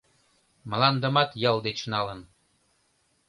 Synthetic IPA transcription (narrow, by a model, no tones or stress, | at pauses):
məlɑnd̪ə̆mɑt̪jɤld̪et͡ɕnɑlən